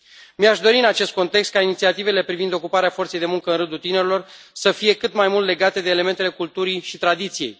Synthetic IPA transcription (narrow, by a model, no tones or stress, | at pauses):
miaʃd̪o̞ɾiɨnat͡ʃe̞st̪ko̞nt̪e̞kst̪̚kainit̪siat̪ive̞le̞pɾivind̪o̞kupaɾeafo̞rt̪sejd̪e̞muŋkəɨnɾɨnd̪ult̪ine̞ɾelo̞r | səfije̞kɨt̪majmult̪le̞ɡat̪e̞d̪eːle̞me̞nt̪ele̞kult̪uɾiʃit̪ɾad̪it̪sije̞j